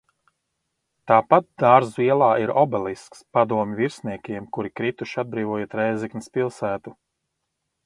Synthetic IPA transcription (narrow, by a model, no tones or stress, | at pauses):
t̪aːpat̪̚d̪̥aːɾziɛlˠaːiɾɔbɛlˠiskspad̪uɔmʲviɾsniɛkʲiɛmkuɾikɾit̪uʃad̪̚bɾiːvɔɔjet̪ɾɛjziknispilˠsæːt̪u